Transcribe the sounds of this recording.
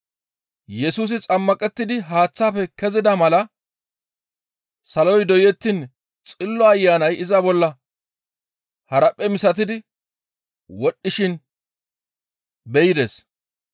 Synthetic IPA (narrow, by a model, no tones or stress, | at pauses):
jɛsuːs̬ɪt͡sʼɐmːɐkʼɛt̪ːɪd̪ɪɦaːt͡sːaːfɛkɛzɪd̪ɐmɐlɐ | sɐlɔjd̪ɔjɛt̪ːɪn | t͡sʼɪlːɔɐjːaːnɐjɪzɐbɔlːɐ | hɐɾɐpʼːɛmɪsɐt̪̬ɪd̪ɪ | wɔɗːɪʃɪn | bɛjɪd̪ɛs